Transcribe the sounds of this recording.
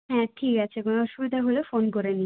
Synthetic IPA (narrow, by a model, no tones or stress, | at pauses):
ɦɛ̃ʈʰikat͡ɕʰekonoɔʃubid̪ʱaɦolefonkoɾeni